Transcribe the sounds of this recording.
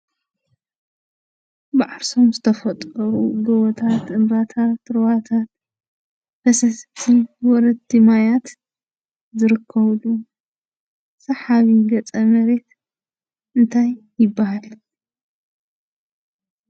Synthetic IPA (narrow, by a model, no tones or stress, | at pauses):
bɨʕaɾso̞mzɨt̪ʰɐfɐt̪ʼɐɾuɡɐwɔt̪ʰat̪ʔɨmbat̪ʰat̪ɾɨβat̪ʰat̪̚ | b̥ɐsɐst̪ʰiwɔɾɐd̪imajat̪ | zɨɾɨkʰːɐβlu | sɐħaβiɡɐt͡sʼɐmɐɾe̞t̪ | ʔɨnt̪ʰajːɪbːahal